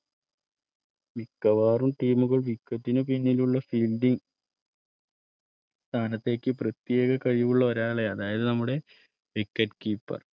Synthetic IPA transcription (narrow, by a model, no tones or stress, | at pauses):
mikːɐʋaːrumʈiːmuɣɐɭʋikːɐt̪ːinɨpinːiluɭːɐfiːlɖiŋ | st̪ʰaːnɐt̪ːe̞ːkʲːɨprɐt̪jeːɣɐkɐɻijʋuɭːɐo̞ɾaːɭe̞ɐðaːjɐðɨnɐmːuɽe̞ | ʋikːɐʈkiːpːɐ̰r